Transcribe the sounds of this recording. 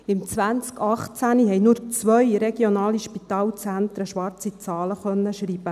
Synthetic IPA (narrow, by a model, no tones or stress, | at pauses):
ɪmt͡sʋænt͡skɑχt͡sæniɦɛjnuɾt͡sʋœjɾeɡ̥jonɑːliʃpit̪ɑːlt͡sænt̪ɾəʃʋɑɾt͡sit͡sɑːləχœnːəʃɾiːb̥ə